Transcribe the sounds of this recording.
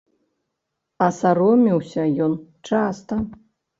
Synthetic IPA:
ɐsaɾɔmʲiwsʲɐjɔnt͡ʂast̪ɐ

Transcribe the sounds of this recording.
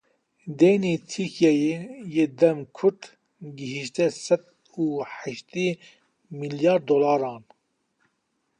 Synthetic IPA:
d̪eːniːt̪ʰikʰjajejeːd̪ɛmkʰʊɾd̪ | ɡiɦiʃt̪ɛsɛd̪ | uːħɪʃt̪iː | miljɑːɾd̪oːlɑːɾɑːn

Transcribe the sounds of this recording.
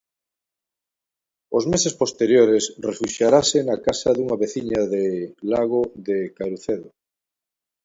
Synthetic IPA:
ozmesespost̪eɾjoɾesrefuʃjaɾasenakasaðuŋaβeθiɲaðelaɣ̞oðekaɾuθeðo

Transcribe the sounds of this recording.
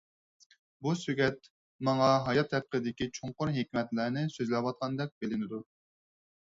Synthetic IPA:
busyɡʲɛt̪̚ | mɑŋɑɦɑjɑt̪ʰːɛp̚qəd̪ɪkʲit͡ʃʰoɴqʊɾɦekʲmɛt̪lænɪsøzlɛwɑt̪̚qʰɑnd̪ɛk̚ʲbelɪnɪd̪u

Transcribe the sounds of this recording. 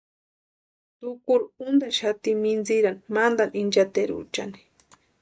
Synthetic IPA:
t̪ʊkuɾund̪aʃat̪imind͡ziɾanimand̪anind͡ʒat̪eɾṵt͡ʃa̰ni̥

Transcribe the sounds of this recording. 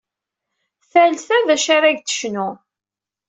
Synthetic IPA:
θælθæðæʃaɾæʝt̪ə̥ʃnʊ

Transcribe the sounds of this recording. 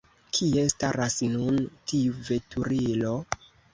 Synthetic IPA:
kʰie̞staɾasnuntiuve̞tʰuɾilo̞

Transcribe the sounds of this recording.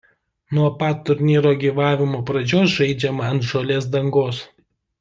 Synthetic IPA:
nuɔpɐt̪ːʊɾʲnʲiːɾoːɡʲiːʋɑːʋʲɪmoːpɾɐd͡ʒʲoːsʒɐɪd͡ʒʲɛmɐɐnt̪ʒolʲeːsd̪ɐŋɡoːs

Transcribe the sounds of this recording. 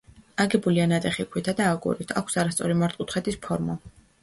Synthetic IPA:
aɡɛbulianat̪ʼɛχikʰwit̪ʰad̪aːɡʼṵɾit̪ʰa̰kʷʰsaɾast̪sʼɔɾimaɾt̪ʼqʼut̪χɛt̪ispʰɔɾmɔ

